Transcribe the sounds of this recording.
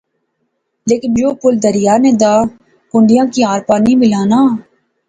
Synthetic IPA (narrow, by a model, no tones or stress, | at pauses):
leːkɪnd͡ʒoːpʊld̪əɾɪjaːneːd̪aː | kʊɳɖɪjãːkiaːɾpaːnibʱilaːnaː